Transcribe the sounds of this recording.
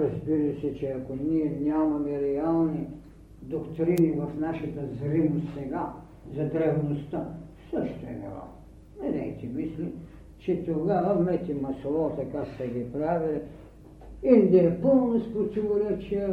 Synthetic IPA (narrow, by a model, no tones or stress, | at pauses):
ɾɐzbiɾɐsɛt͡ʃɛɐkoniɛnʲamɐmɛɾɛalˠni | d̪okt̪ɾinivɐfnaʃɐt̪ɐzɾimost̪sɛɡa | zɐd̪ɾɛvnost̪a | səʃt̪oɛ̰nɛ̰ɾa̰ | nɛd̪ɛt̪imisli | t͡ʃɛt̪oɡavɐmɛt̪ʲimɐsolˠɔt̪ɐkaksɐɡipɾavili | ind̪ɛɛpolˠnospɾot̪ivoɾɛt͡ʃiɛ